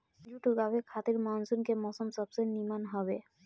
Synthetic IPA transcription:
d͡ʒuʈuɡabekʰat̪iɾmansunkemɔsɔmsɔbsenimanɦɔbe

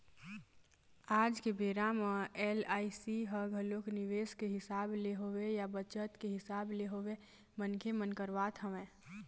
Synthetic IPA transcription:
aːd͡ʒkebeɾaməelaːisiɦəɡʱəlokniʋeskeɦɪsableɦowejabət͡ʃət̪keɦɪsaːbleɦoʋe | mənkʰemənkəɾbat̪ɦəʋɛ̃ː

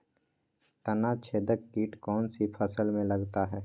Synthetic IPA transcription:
t̪ənat͡ʃʰeːd̪əkkiːʈkɔːnsipʰəsəlmẽləɡt̪aɦɛː

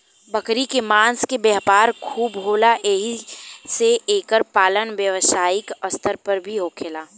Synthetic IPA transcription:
bɐkɾikemãːnskebɛɦpaːɾkʰuːbɦoːlaʔeɦiseeːkəɾpaːlənʋjəʋsaːɪkəst̪əɾpɐɾbʱiɦoːkʰelaː

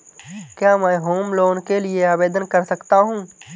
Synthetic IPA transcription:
kjamɛ̃ɦoːmloːnkelɪeaːbeːd̪ənkəɾsəkt̪aɦũː

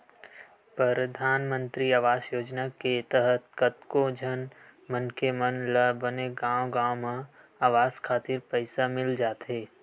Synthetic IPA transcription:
pɾəɾəd̪ʱaːnmə̃nt̪ɾiaːʋaːsjoːd͡ʒnaket̪əɦət̪kət̪kod͡ʒʱənmənkemənləbəneɡãːoɡãːomẽ | aːʋaːzkʰaːt̪iɾpəɪsamɪld͡ʒaːt̪ɦeː

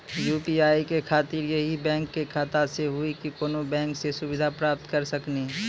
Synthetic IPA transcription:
juːpiaːikekʰaːt̪ɪɾjɐɦibɛ̃ːŋkːekʰaːt̪aseɦʊikikoːnobɛ̃ːŋksesʊbɪd̪ʱapɾaːp̚t̪kɐɾsəkne

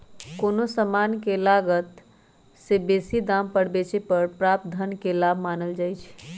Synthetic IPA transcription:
konosəmankelaɡət̪ | sebesid̪ampəɽ̤bet͡ʃʰepəɾpɾap̚t̪̚d̪ʱənkelabʱmanəld͡ʒajt͡ʃʰ

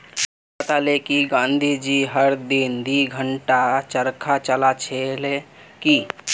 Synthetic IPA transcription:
at̪alekiɡãːnd̪ʱid͡ʒiɦəɾd̪ind̪iɡʱəɳʈat͡ʃəɾkʰat͡ʃəlat͡ʃʰeleki

